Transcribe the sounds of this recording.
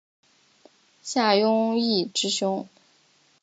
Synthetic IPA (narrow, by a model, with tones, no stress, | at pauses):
ɕja˥˩jʊ˥ŋi˥˩ʈ͡ʂɻ̩˧˥ɕʊ˥ŋ